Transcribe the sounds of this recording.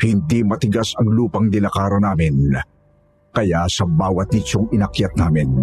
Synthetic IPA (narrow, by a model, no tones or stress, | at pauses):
hɪnd̪imɐt̪ɪɡasɐŋluːpɐŋd̪ɪlɐkaːɾonaːmɪn | kɐjasɐbaːwɐt̪̚nɪt͡ʃoŋɪnɐkjɐt̪̚naːmɪn